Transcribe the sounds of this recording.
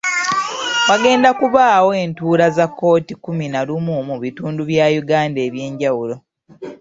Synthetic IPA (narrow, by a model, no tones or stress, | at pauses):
waɡe̞ːndakuβaːwoeːntuːɾazakːo̞ːtikuminalumumuβituːnduβjaːjuɡaːnde̞ːβje̞ːɲɟawulo̞